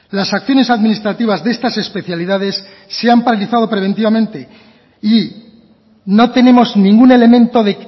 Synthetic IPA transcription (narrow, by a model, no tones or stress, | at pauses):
lasakθjo̞ne̞saðminist̪ɾat̪iβ̞azðe̞st̪ase̞spe̞θjaliðaðe̞sː | e̞ampaɾaliθað̞o̞pɾe̞β̞e̞nt̪iβamẽ̞nt̪e̞ | i | no̞t̪e̞ne̞mo̞znĩŋɡune̞lemẽ̞nt̪o̞ðe̞